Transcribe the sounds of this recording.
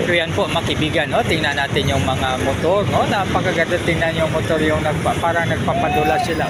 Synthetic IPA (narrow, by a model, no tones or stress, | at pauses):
kʊjanpoʔmakɪbiːɡanːot̪ɪŋnanaːt̪ɪnjʊŋmɐŋamʊt̪oɾnonapakaɡad̪at̪ɪŋnanjʊŋmʊt̪oɾjʊŋnaɡ̚papaːɾanɐɡ̚papad̪ʊlasɪla